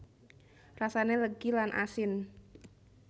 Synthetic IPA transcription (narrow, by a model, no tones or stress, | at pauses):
rasaneləɡ̥ilanʔa̰sɪn